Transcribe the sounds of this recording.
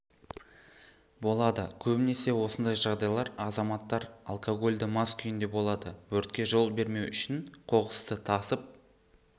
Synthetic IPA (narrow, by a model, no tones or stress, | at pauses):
bo̞lˠɑd̪əkʲʰɵbɪne̞se̞wo̞sənd̪ɑjʒɑʁd̪ɑjlˠɑɾɑzɑmɑt̪ːɑɾa̰lˠkʰoɡo̞lʲd̪əmɑskʲʰʏjɪnd̪e̞bo̞lˠɑd̪əwɵɾt̪̚kʲe̞ʒo̞lˠbe̞ɾme̞wʔʏʃɪnqʰo̞ʁəst̪ət̪ʰɑsəp̚